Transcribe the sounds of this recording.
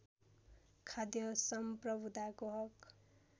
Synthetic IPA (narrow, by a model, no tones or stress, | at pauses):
kʰad̪jʌsʌmprʌbʱud̪akoɦʌk